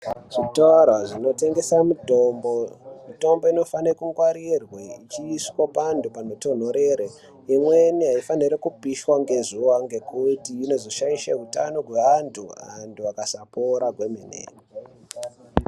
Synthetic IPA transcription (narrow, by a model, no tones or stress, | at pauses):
ʐ̥itarwaʐino̞te̞ŋɡe̞sautombomito̞mbo̞ino̞fanekuŋɡwaɾirweit͡ʃiːswapandupanoto̞n̤o̞ɾeɾe | imwe̞niɦaifaniɾekupiʃwaŋɡe̞zuwaŋɡe̞kutiːno̞zoʃaiʃḛɦuta̰no̞ɡweʋantʰuantʰuakasapoɾaɡʱweminḛ